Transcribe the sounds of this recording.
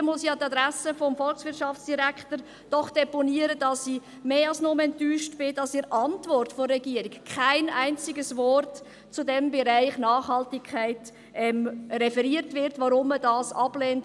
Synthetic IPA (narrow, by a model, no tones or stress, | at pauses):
mʊsjɑːtɑdɾæsəfɔmfɔlksʋɪtʃɑft͡sd̥iɾækχtəɾ | d̥ɔχd̥ɛponiəɾədɑsi | meːɑlsnomɛntyːʃtb̥ɪd̥ɑsiɾʔɑntvɔrtfɔrːɛɡiəɾɪkkʰaɪnaɪnt͡sɪɡəsvɔrt | t͡sudɛmbɛɾaɪχnɑːχhɑltɪkʰaɪt | ɛmrɛfɛɾiəɾtvʋɪɾtvɑɾʊmːədɑːsɑb̥leːnt